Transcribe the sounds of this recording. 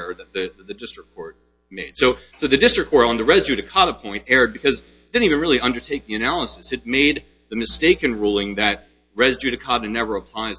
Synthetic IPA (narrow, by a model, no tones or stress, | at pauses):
ðɨt̪̚ðɨðɨt̪̚ðɨdɪstɹ̥əkʰːɔɹt̚ | meɪd̥soʊsoʊðɨdɪstɹ̥ɨkʰɔɹɾ̃n̩ðɨɹɛzd͡ʒʉɾɨkʰɑɾəpʰɔ̃ɪ̃ntɛɹd̚bɨkʰʌz | ðɨ̃n̩ivɨ̃nɹɪlˠiʌ̃ndə˞tʰeɪk̚ĩɨnælˠəsɨsɨt̚meɪd̪̚ | ðɨmɨsteɪkɨ̃nɹulˠɪ̃ŋðɨt̚ | ɹɛzd͡ʒʉɾɨkʰɑɾɨnɛvə˞əpʰl̥aɪz